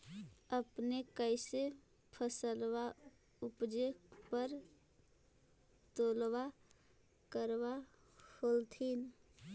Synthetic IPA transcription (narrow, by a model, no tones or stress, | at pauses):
əpnekəɪse | pʰəsəlwa | upd͡ʒekpəɾ | t̪olwa | kəɾwa | holt̪ʰin